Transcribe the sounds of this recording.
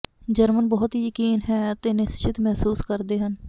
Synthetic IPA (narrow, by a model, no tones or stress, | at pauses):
d͡ʒəɾmənbɔɦʊt̪ɦijəkiːnɦɛːət̪eːnɪst͡ʃɪt̪mɛɦsuːskəɾd̪eːɦən